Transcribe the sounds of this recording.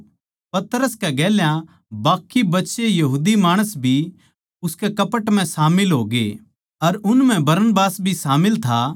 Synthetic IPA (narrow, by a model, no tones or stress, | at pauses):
pɐt̪ɾəskɛɡɛːljã | baːkːibɐtːʃejɐɦuːd̪imaːɽ̃əsbʱi | ʊskekɐpəʈm̤ɛ̃saːmɪlɦoːɡḛː | ɐɾʊnm̤ɛ̃bɐɾənbaːsbʱisaːmɪlt̪ʰaː